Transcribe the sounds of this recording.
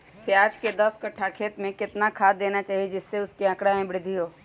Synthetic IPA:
sjaːd͡ʒked̪ɐskɐʈʰakʰeːt̪mẽkɪt̪nakʰaːd̪d̪ːeːnat͡ʃaːɦied͡ʒɪsːeʊskeɐ̃kɽamẽbɪɽɾɪd̪ʱiɦoː

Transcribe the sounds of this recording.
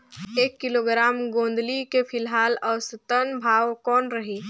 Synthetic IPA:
eːkːɪloːɡɾaːmɡõːnd̪likepʰɪlɦaːlɔːsɐt̪ənbʱaːwkɔːnɾɐɦiː

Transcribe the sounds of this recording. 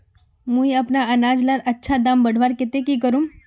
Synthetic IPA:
mũiɐpnaɐnaːd͡ʒlaɾɐtːʃʰad̪aːmbɐɽ̤ʱʋaɾkɪt̪ekikəɾũm

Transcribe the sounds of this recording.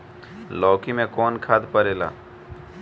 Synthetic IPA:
lɔːkimẽkɔːnkʰad̪pəɾeːla̰ː

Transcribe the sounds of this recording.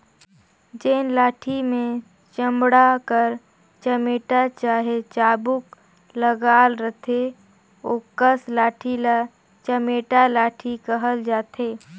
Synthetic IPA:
d͡ʒeːnlaːʈʰimẽ | t͡ʃə̃mbɽakəɾ | t͡ʃəmeːʈat͡ʃaːɦet͡ʃaːbʊk | ləɡaːlɾət̪ʰe | oːkəslaːʈʰila | t͡ʃəmeːʈalaːʈʰikəɦəld͡ʒaːt̪eː

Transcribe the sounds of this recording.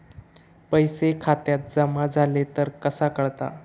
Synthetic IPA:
pəjsekʰat̪jat̪̚d͡zəmad͡zʱalet̪əɾkəsakəɭt̪a̰

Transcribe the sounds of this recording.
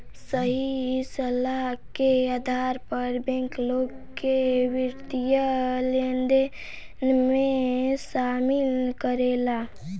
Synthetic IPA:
səɦisəlakead̪ʱaːɾpəɾbɛ̃ŋkloːɡ | keʋɪɾt̪ijəlend̪e | mẽsamilkəɾela

